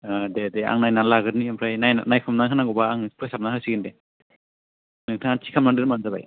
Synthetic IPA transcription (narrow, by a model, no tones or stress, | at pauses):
adedea̰ŋnajnalaɡɯɾniampʰɾajnajnanajkʰɯmnakʰanaɡɔbaːŋpʰɯjsap̚nahɯsiɡɯnde | nɯŋtʰatʰi̥kʰamnadɯɾmanzaba̰j